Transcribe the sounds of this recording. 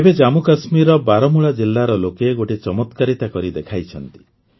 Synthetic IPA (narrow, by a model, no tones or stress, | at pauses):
ebed͡ʒamukasmiɾɔbaɾɔmuɭad͡ʒilːaɾɔlokeɡoʈet͡ʃɔmɔt̪kaɾit̪akɔɾid̪ekʰajt͡ʃʰɔnt̪i̥